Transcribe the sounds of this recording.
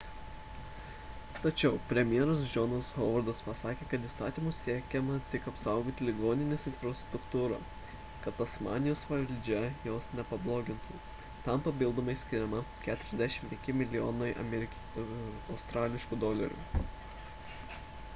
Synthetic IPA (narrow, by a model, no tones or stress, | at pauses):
t̪ɐt͡ʃʲɛʊpʲɾʲɛmʲjɛɾɐsd͡ʒɔnɐshoːʋɐɾd̪ɐspɐsɑːkʲeːkɐt̪ist̪ɑːt̪ʲiːmʊssʲiɛkʲɛmɐt̪ʲɪkɐpsɑˑʊɡoːt̪ʲɪlʲɪɡoːnʲɪnʲeːsɪnʲfɾɐst̪ɾʊkt̪uːɾɐ̰ː | kɐt̪ɐsmɑ̰ːnʲɪjoːsʋɐlʲd͡ʒʲɛjoːsnʲɛpɐblˠoːɡʲɪnt̪ʊ | t̪ɐmpɐpʲɪlˠd̪oːmɐɪsʲkʲɪɾʲɛmɐkʲæːt̪ʊɾʲɛzd̪ʲæʃʲɪmpʲɛ̃ŋʲkʲɪmʲɪlʲɪjoːnɐɪʔɐ̰mʲɾʲ | ɒʊst̪ɾɑːlʲɪʃkuːd̪oːlʲɐ̰ɾʲṵ